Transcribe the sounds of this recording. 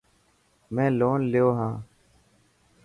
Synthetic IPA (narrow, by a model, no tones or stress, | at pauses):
mɛ̃ːloːnlɪjoːɦãː